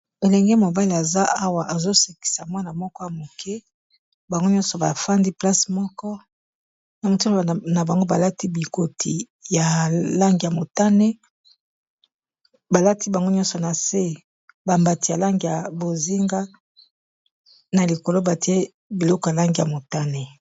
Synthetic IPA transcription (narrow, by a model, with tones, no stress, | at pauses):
e˨lɛ˨ŋɡɛ˦mo˨ba˦li˨a˨za˦a˦wa˨ʔa˨zo˦se˨ki̥˨sa˨mwa˦na˨mɔ˦kɔ˦ja˨mo˨kɛ˦ | ba˨ŋɡo˦ɲɔ̃˦nsɔ˨ba˨fa˦ndi˦pla˦smɔ˦kɔ˦ | na˨mo˨ti˦˨na˨ba˨ŋɡo˦ba˨la˦ti˦bi˨ko˨tʰi˨ | ja˨la˦ŋɡi˨ja˨mo˨ta˦ne˦ | ba˨la˦ti˦ba˨ŋɡo˦ɲɔ˦nsɔ˨na˨se˦ | ba˨mba˨ti˨ja˨la˦ŋɡi˨ja˨bo˨zi˦ŋɡa˦ | na˨li˨ko˨lo˦ba˨ti˦e˦ | bi˨lɔ˦kja˨la˦ŋɡi˨ja˨mo˨ta˦ne˨